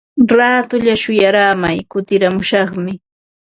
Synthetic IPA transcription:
ɾaːt̪ʊʎaʃʊjaɾaːmajkʊt̪ɪɾamʊʃɑχmɪ

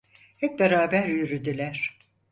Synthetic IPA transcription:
hɛt̪̚beɾaːbæɾjyɾyd̪ylʲæɾ̥

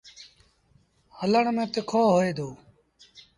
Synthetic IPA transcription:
hələɳmẽːt̪ekʰoːɦoeːd̪oː

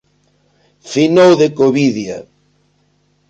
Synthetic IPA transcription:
finowðekoβiðja̰

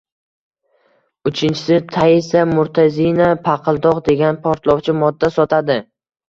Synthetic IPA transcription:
ʊt͡ʃʰɪnt͡ʃʰɪ̥sɪt̪ʰaisamʊɾt̪ʰazinapʰɑqʰɨlˠd̪ɒqd̪e̞ɡʲanpʰɒɾt̪lˠɒwt͡ʃʰɪmɒd̪ːasɒt̪ʰad̪ɪ

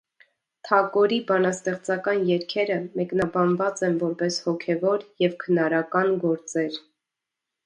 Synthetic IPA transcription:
t̪ʰɑkɔɾibɑnɑst̪ɛχt͡sɑkɑnjɛɾkʰɛɾəmɛknɑbɑnvɑt͡sɛnvɔɾpɛshɔkʰɛvɔɾjɛvkʰənɑɾɑkɑnɡɔɾt͡sɛɾ

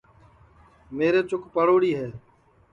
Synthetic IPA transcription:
meːɾeːt͡ʃʊkpəɽoːɽiːɦeː

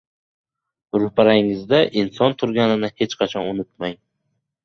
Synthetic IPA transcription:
ɾʊpaɾaŋɪzd̪aʔɪnsɒnt̪ʰʊɾɡʲanɪnɪhe̞t͡ʃqʰɑt͡ʃʰɒnʊnʊt̪̚maj

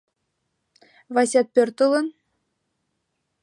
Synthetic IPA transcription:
vɑsʲɑt̪̚pʲørʲt̪ɤ̆lˠɤ̆n

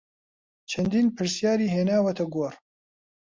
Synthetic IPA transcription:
t͡ʃʰɐnd̪iːnpʰɨɾsjaːɾiːɦeːnaːwɐt̪ɐɡoːr

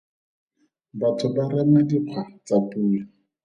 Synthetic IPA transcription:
batʰʊbaramadiq͡χʰwat͡sapuːla

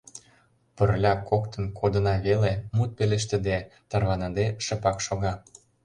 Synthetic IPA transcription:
pərlʲɑkokt̪ə̆nkʰod̪ənɑβelemut̪̚peleʃ̬t̪ə̆d̪et̪ɑrβɑnɑd̪eʃə̆pɑkʃoɣɑ

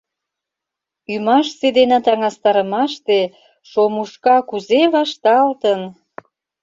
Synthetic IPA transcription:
ymɑʃsed̪enɑt̪ɑŋɑst̪ɑɾə̆mɑʃt̪e | ʃomuʃkɑkuzeβɑʃt̪ɑlt̪ən

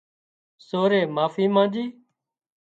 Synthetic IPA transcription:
soːɾeːmaːfiːmãːd͡ʒiː

